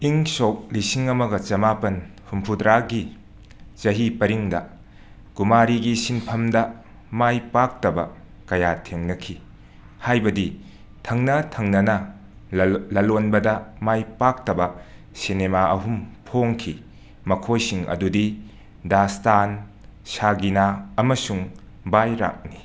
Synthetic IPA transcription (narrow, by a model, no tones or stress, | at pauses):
iŋsok̚lisiŋɐmɐɡɐt͡ʃɐmapɐnhumpʰudɾaɡi | t͡ʃɐɦipɐɾiŋdɐ | kumaɾiɡisinpʰɐmdɐ | majpak̚tɐbɐ̰ | kɐjatʰeŋnɐkʰi | hajbɐdi | tʰɐŋnɐtʰɐŋnɐnɐ | lɐlonbɐdɐmajpak̚tɐbɐ | sinemaʔɐɦumpʰoŋkʰi | mɐkʰojsiŋʔɐ̰dudi | dastan | saɡinaɐmɐsuŋ | bajɾa̰k̚ni